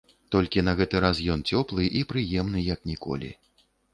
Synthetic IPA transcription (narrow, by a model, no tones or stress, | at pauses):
t̪ɔlʲkʲinɐɣɛt̪ɨɾasjɔnt͡sʲɔplˠɨʔipɾɨjɛmnɨjɐknʲikɔ̰lʲḭ